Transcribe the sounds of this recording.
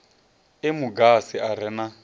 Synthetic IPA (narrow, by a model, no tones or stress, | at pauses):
ɪmuɡasiʔaɾɛna